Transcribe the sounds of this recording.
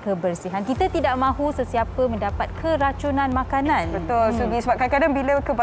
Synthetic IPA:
kəbərsiɦankit̪at̪idaʔmãɦusəsiapəmə̃ndapat̪̚kʰəɾat͡ʃunãnmãkanãnbət̪ʊlsuɡisəbap̚kakadaŋbiləkəb

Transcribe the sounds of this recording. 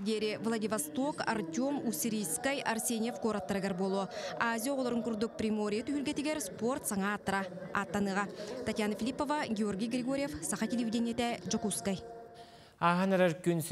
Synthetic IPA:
ɡʲeɾevlˠad̪ʲivast̪o̞ka̰rt̪ʲomusʲiɾijskajʔarsʲenʲijefkoɾat̪ːɾəɡʲeɾbolˠəazʲijoolˠɾəŋkʊɾd̪ʊk̚prʲimoɾʲijat̪ʰyhylɡʲet̪eɡʲeɾspo̞rt̪sɑŋɑt̪ːɾɑ̰ːt̪ːɑnɯʁɑt̪ʰat̪ʲjanəfilʲipːo̞vɑɡʲeo̞rɡʲijɡrʲeɡoɾʲijefsɑχɑt̪ʲʰelʲevid̪ʲenjet̪æʒokuskaj | aɦɑnaɾakʲens

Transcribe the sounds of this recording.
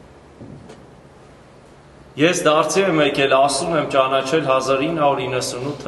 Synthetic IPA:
jɛsd̪ɑɾt͡sʰiɛmɛkʰɛlɑsumɛmt͡ʃɑnɑt͡ʃʰɛlɦɑzɑɾinːəhɑuɾinːəsunut̪ʰː

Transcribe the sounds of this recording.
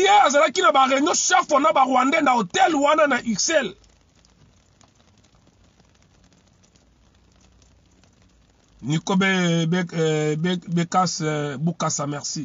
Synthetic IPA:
jeazalakinabaʁɛɲoʃɛfɔnabaʁwandɛndaotɛlwananaʔisɛl | nikobe | bekasbokasamɛʁsi

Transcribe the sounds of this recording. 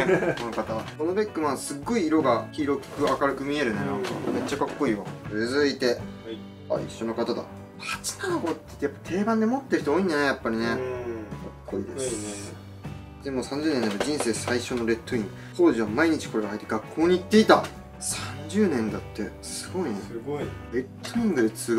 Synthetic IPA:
konokat̪aβakono̞bekːɯ̟mãñsɨɡːo̞iːɾo̞ɡakʲiːɾo̞kɯ̟akaɾɯ̟kɯ̟mʲie̞ɾɯ̟nenãŋka̰me̞t͡ɕːakakːo̞iːazɨit̪e̞ | a̰ḭɕːo̞no̞kat̪ad̪a̰ | hat͡sɨ̥nanoboːt̪ːei̥t̪ːejapːḁt̪ʰe̞ːbãnd̪e̞mo̞t̪ːe̞ɾɯ̟çit̪ooːĩɲd̪aneajapːaɾʲinekakːoid̪e̞s | d̪e̞mo̞sãɲ̟d͡ʑɨːnẽnd̪ad̪od͡ʑĩɰ̃se̞ːsaiɕo̞no̞ɾe̞t̪ːoĩŋ | t̪o̞ːʑiβ̞amaiɲ̟it͡ɕi̥ko̞ɾe̞ɡaɦait̪ːeɡakːo̞ːɲ̟iːt̪ːe̞it̪a | sãɲ̟d͡ʑɨːnẽ̞nd̪at̪ːe̞sɨɡo̞ineɾe̞t̪ːoĩŋɡɯ̟d̪et͡sɨɡ

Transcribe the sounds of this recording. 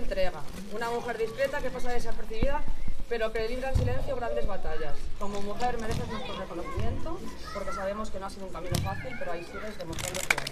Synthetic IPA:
nt̪ɾe̞ɣ̞a | unamuxe̞ɾðiskɾe̞t̪akepas̬aðesepeɾθiβ̞iðape̞ɾo̞keimdɾansilẽ̞nθjoɣɾand̪ezβat̪aʝasko̞momuxe̞ɾme̞ɾe̞θeznwest̪ɾore̞ko̞noθimjẽ̞nt̪o̞po̞ɾke̞saβ̞e̞mo̞ske̞noasiðouŋkamĩno̞faθilpe̞ɾoajsiɾe̞zðe̞most̪ɾand̪okea

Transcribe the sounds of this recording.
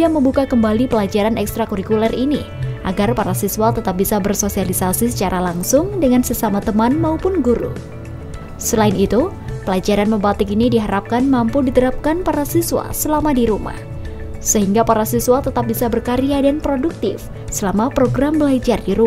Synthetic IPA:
diaməmbukakəmbalipəlad͡ʒaɾanɛkst̪ɾakuɾikulɛrini | ʔaɡarpaɾasisualt̪ət̪ap̚bisabərsosialisasisə̥t͡ʃaɾʔalaŋsʊŋdəŋansəsamat̪əmanmaupʊnɡuɾṵ | səlaɪnit̪u | pəlad͡ʒaɾanməmbat̪ɪkinidiɦaɾap̚kanmampudit̪əɾap̚kanpaɾasisuwa̰səlamadiɾuma̰h | səɦiŋɡapaɾasisualt̪ət̪ap̚bisabərkaɾiadanpɾoduk̚t̪ɪf | səlamapɾoɡɾambəlad͡ʒardiɾu

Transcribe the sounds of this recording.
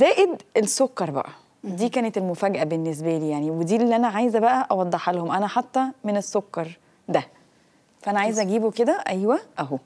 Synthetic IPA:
zæːʔed̪esːokːɑɾˤbæ̰ʔæ | d̪iːkæːnet̪elmofæːɡæʔæbenːes̬bæliːjaʕniwed̪iːelːiːʔænæʕajezæbæʔæʔɑwɑd̪ˤːeħælhomʔænæħɑt̪ːæmenesːokːɑɾˤ | d̪æ | fæʔænæʕaːjezʔæɡiːboked̪æʔæjwæʔæɦo

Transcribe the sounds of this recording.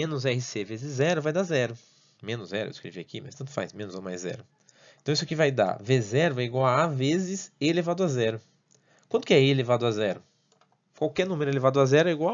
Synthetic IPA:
mẽnʊzɛhɪsevezɪzzɛɾʊvajd̪azɛɾʊ | mẽnʊzzɛɾʊ̰ʔḛiskɾḛviakimɐjst̪ɐ̃nt̪ʊfa̰jsmẽnʊzõmajzːɛ̰ɾʊ | ẽt̪isʊkɪvajd̪a̰vezɛɾʊɛiɡwawavezɪselevad̪ʊazɛɾʊ | kwɐ̃t̪ʊkɪɛelevad̪ʊazɛɾʊ | kwawkɛɾnũmeɾʊelevad̪ʊazɛɾʊɛiɡwaw

